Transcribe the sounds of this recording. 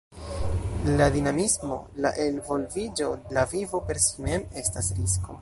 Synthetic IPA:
lad̪inamismo̞̰la̰ʔe̞nvo̞lvid͡ʒo̞lavivo̞pe̞ɾsime̞me̞stasɾisko̞̰

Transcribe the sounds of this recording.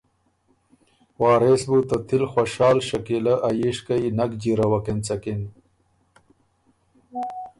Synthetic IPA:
wɑːɾesbut̪ɐt̪ʰilxwɐʂaːlɕɐkilɐʔɐjiʂkɐinɐkd͡ʑiɾɐwɐkent͡sɐkin

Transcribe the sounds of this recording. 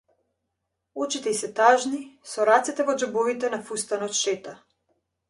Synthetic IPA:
ɔt͡ʃit̪ɛisɛt̪aʒnisɔɾat̪sɛt̪ɛvɔd͡ʒɛbɔvit̪ɛnafust̪anɔt̪ʃɛt̪a

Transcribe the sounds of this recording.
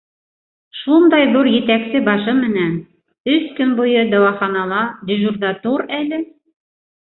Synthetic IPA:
ʃund̪ɑjðuɾjɘ̆t̪æksɘbɑʃɤmɘ̆næn | ɵskɵnbujɤd̪ɑwɑχɑnɑlˠɑd̪ʲɪ̆ʒuɾd̪ɑt̪uɾælɘ

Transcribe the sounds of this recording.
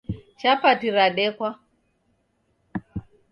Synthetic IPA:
ʃapatiɾaɗɛkwa

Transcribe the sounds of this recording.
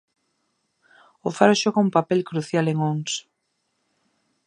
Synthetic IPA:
ofaɾoʃoɣaumpapɛlkɾuθjaleŋoŋs

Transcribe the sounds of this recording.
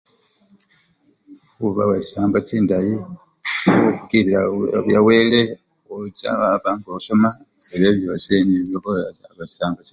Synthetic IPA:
kuβaweci̥saːmbatiːndaji | ukukiilaβjaweːle | ut͡sa̰aβaːŋɡosoma | eβeβjo̞seniβjoβollaza̰βat͡ʃi̥saːmbati

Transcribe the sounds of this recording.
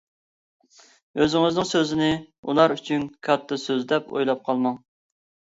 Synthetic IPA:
øzɪŋɪznɪŋsøzɪnɪṵlˠɑɾyt͡ʃʰynkʰɑt̪ʰːɑsøzd̪ɛpo̰jlˠɑp̚qʰɑlˠmɑŋ

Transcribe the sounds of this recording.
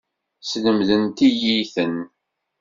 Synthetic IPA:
sləmðənt̪ijiθən

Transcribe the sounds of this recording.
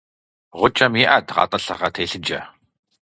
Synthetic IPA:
ʁʷʊt͡ʃʼɐmjiʔɐdʁɑ̰ːtʼɐɬɐʁɐtʰeːɬɨd͡ʒɐ̰

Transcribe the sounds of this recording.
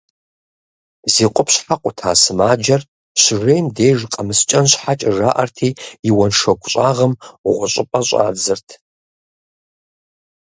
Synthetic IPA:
ziːqʷʼʊpʰɕħaqʷʼʊtʰa̰ːsɨmaːd͡ʒɐr | ɕɪrejmdeːʒqʼɐmɨst͡ʃʼɐnɕħat͡ʃʼɪʐaːʔɐrtʰiːjɪwɐnʂɐɡʷʼʊɕʼaːʁɐmʁʷʊɕʷʼɪpʼɐɕʷʼa̰ːd͡zɨrtʰ

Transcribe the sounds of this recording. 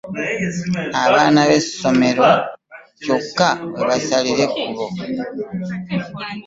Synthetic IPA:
aβaːnaβe̞sso̞me̞ɾo̞ | co̞kːaβeβasaliɾe̞kuβo̞

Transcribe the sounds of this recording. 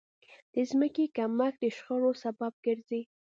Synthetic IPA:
d̪̥əzməkekamak̚d̪əʃxəɾosabɑb̚ɡ̥əɾzi

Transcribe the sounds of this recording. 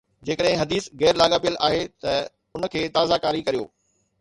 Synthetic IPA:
d͡ʑeːkəɗɦɪ̃ɦɐd̪iːsɣɛːɾlaːɡaːpijəlʔaːɦet̪ɐ | ʊnə̆kʰeːt̪aːzakaːɾikɐɾijo̰ː

